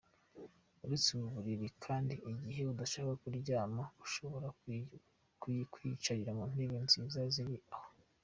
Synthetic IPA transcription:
uɾit͡siβuβuɾiɾikʰaːndiʔiɟiɦe̞udaʃaakuɾɟaːmauʃo̞βo̞ɾa | kwit͡ʃaɾiɾamun̥eβenziːzaziɾiʔaho

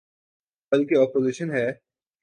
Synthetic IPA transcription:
bɐlkeɔːpoːziʃənɦɛː

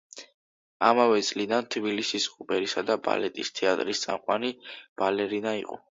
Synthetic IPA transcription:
amavɛt̪sʼlid̪ant̪ʰbilisisqʼupʼɛɾisad̪aba̰lɛt̪ʼist̪ʰɛat̪ʼɾist̪sʼa̰mqʼwanib̥alɛɾinaiqʼɔ̰

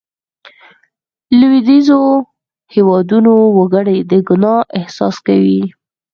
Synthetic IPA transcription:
lwid̪izo | hewɑd̪unowaɡəɽed̪əɡʊnɑʔɪhsɑskawi

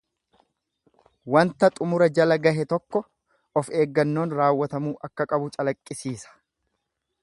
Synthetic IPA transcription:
wɐnt̪ɐt̪ʼʊmʊɾɐd͡ʒɐlɐɡɐɦɛt̪ɔkːɔ | ɔfe̞ːɡːɐnːo̞ːnɾaːwːɐt̪ɐmuːʔɐkːɐkʼɐbʊt͡ʃʼɐlɐkʼːɪsiːsɐ̥

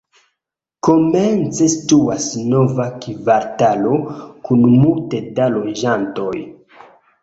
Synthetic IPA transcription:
ko̞ment͡se̞situasno̞vakivaɾtalo̞kunmultedalod͡ʒanto̞j

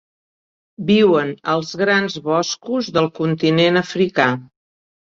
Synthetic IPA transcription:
biwənəlˠzɣɾanzβɔskuzðəlˠkunt̪inenəfɾika

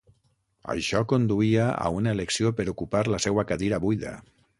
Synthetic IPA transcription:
ə̰ʃɔkond̪uiaa̰unaeleksiopəɾukupaɾləsɛwakaðiɾaβujða̰

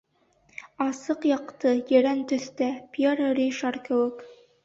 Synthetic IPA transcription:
ɑsɤqjɑqt̪ɤjɘ̆ɾænt̪ɵ̆θt̪æpʲeɾəɾiʃɑɾkɘ̆wɘk

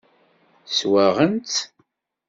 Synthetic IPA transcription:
swæʁənt̪

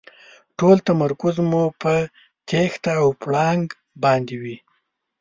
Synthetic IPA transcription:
ʈolt̪amaɾkʊzmupə | t̪ʰext̪aːwpɽɑŋɡ | bɑnd̪ewi

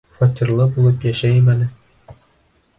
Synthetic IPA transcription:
fɒt̪ʲirlˠɤbulˠɤpjæʃæjmænɘ

